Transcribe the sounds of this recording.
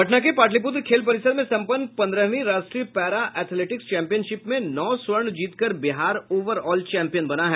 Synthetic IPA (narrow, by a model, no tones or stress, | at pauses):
ɦɐʈnakepaːʈ̬lip̬ʊt̪̬ɾkʰeːlpɐɾɪsəɾmẽsɐ̃mpənpɐ̃nd̪ɾəɦʋĩɾaːʃʈɾiːpɛːɾaʔɛːt̪ʰleːʈɪkst͡ʃɛ̃ːmpijənʃɪpmẽnɔːswəɾɳd͡ʒiːt̪kəɾbɪɦaːɾoːʋəɾɔːlt͡ʃɛ̃ːmpijənbɐnaɦɛː